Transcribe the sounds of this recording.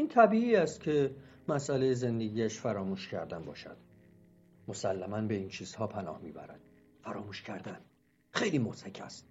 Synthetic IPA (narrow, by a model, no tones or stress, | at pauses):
iːnt̪ʰæbiːiːæst̪̚cʰe̞mæsælejeze̞nd̪e̞ɡiːæʃfæɾɒːmuːʃcʰæɾd̪ænbɒ̰ːʃæ̰d̪̥ | mo̞sælːæmænbe̞iːnt͡ʃʰiːz̥hɒːpʰænɒ̰ːhmiːbæ̰ɾæ̰d̪̥̚ | fæɾɒːmuːʃcʰæɾd̪æn | xe̞jliːmot̪æcʰæ̰st̪̚